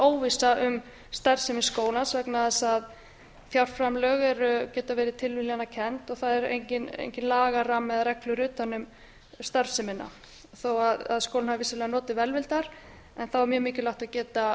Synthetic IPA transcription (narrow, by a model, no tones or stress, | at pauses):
oːwvisaʔʏm | st̪aɾ̥sɪmɪnskoːwlansvɛknaðɛsað | θjawr̥fɾamlœɣɛɾʏcɛːt̪avɛːɾɪt̪ʰɪlvɪlianːacʰɛnt̪ɔɣθaðɛɾḛjɲcɪnḛjɲcɪnlaːɣaramːɛðɾɛklʏɾʏːt̪anʏm | st̪aɾ̥sɪmɪnːa̰ | θowaðaðskowlnhavvɪsalɛːɣanɔːt̪ɪvɛlvɪlt̪aɾ | ɛnθawɛɾmjœːmɪːcɪlaht̪aðcɛːt̪a